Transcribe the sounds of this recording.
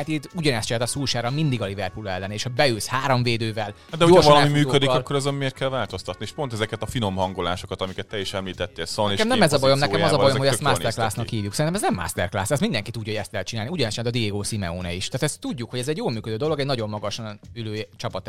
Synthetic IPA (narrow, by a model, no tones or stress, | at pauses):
at̪it̪uɟɒnɛst̪t͡ʃinaːt̪suːlʃaːɾɒmind̪iɡɒlivɛrpuloɛlːɛneːʃhɒbɛylshaːɾoɱveːd̪øːvɛl | d̪ɛhovɒlɒmimyːkød̪ikɒlkːoɾɛzømeːt̪kɛlvaːlt̪o̞st̪ɒt̪nieʃpont̪ɛzɛkɛt̪ɒfino̞mɦɒŋɡo̞la̰ːʃo̞kɒt̪ɒmikɛt̪ːɛiʃɛmliːt̪ɛt̪ːeːlsoneʃkɛmnɛmɛzɒbɒjomnɛkɛjmɒzɒbɒjomhojɛt̪masɛrklaːsnɒhiːvjuksɛɾinɛmɛznɛmːa̰st̪ɛrkla̰ːsɛst̪mind̪ɛŋkit̪uɟːɒɦoɛst̪̚ɛlt͡ʃinaːliuɟɒnɛsʃt͡ʃinaːt̪d̪ieːɡoːsimɛ̰oːnɛiʃt̪aːt̪ɛst̪ːuɟːukho̞ɟɛzɛɟjoːlmyːkød̪øːd̪o̞lo̞ɡɛɟnɒɟo̞mːɒɡɒʃɔnyløːt͡ʃɒpɒt̪